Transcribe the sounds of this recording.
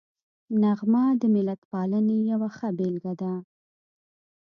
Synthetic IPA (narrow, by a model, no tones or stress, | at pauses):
naɣmɑd̪əmɪlat̪pɑlənejawaxabelɡad̪a